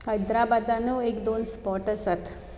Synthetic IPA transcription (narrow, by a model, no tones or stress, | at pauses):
həjd̪ɾabad̪anuekd̪onspɔʈəsəʈʰ